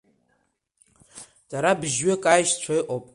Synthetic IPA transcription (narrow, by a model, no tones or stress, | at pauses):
d̥aɾabʒɥɪkʼajʃt͡ɕʷʰajʔʼopʼ